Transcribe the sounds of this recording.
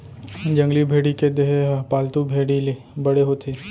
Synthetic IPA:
d͡ʒɐ̃ŋɡlibʱeːɽiked̪eɦpaːlt̪ubʱeːɽile | bɐɽeɦoːt̪ʰeː

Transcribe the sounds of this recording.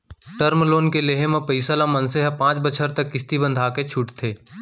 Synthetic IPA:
ʈəɾmloːnkeleɦemẽpəɪsalamɐ̃nseɦɛpãːt͡ʃbət͡ʃʰəɾt̪ɐkːɪst̪ibə̃nd̪ʱaːket͡ʃʰʊʈt̪ʰeː

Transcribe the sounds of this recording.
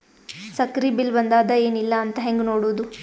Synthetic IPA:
sɐkɾibilbɐnd̪aːd̪ɐeːnilːɐːnt̪ɐɦeŋɡnoːɽoːd̪u

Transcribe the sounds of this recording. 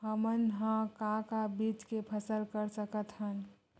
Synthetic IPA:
ɦəmənɦãkãkabit͡ʃkepʰəsəlkəɾsəkət̪ɦən

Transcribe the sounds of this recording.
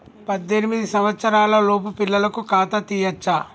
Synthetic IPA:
pɐd̪ːenimid̪isɐmʋɐt̪sɐɾaːlɐlo̞ːp̬upilːɐlɐkukaːt̪ɐt̪iːjɐt͡ʃːa

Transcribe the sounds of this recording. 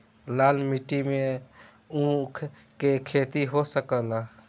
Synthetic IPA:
laːlmiʈimẽ | ũkʰ | kekʰeːt̪iɦosəkəla

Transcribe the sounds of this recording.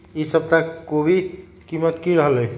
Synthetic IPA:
isəb̚t̪akobʱi | kimət̪kiɾəɦəlɦɛj

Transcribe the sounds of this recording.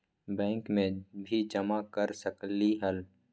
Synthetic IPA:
bɛ̃ːŋkmẽbʱid͡ʒəmakəɾsəkliɦəl

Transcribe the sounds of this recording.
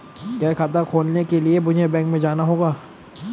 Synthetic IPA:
kaːkʰaːt̪akʰoːlnekeliebʊd͡ʒʱebɛ̃ːŋkmẽd͡ʒaːnaɦoːɡaː

